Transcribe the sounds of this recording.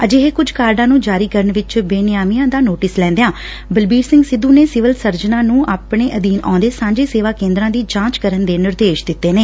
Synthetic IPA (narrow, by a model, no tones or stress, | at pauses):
əd͡ʒeɦeːkʊd͡ʒkaːɾɖãːnũːd͡ʒaːɾiːkəɾəɳʋɪt͡ʃbeːnɪjaːmijãːd̪aːnoːʈɪslɛ̃ːnd̪ejãː | bəlbiːɾsɪ̃ŋɡsɪd̪ũːneːsɪʋəlsəɾd͡ʒnãːnũːʔaːpɳeːʔəd̪iːnã̰ːnd̪eːsãːɲd͡ʒeːseːʋaːkẽːnd̪ɾãːd̪iːd͡ʒãːt͡ʃkəɾənd̪eːnɪɾd̪eːʃd̪ɪt̪ːeːneː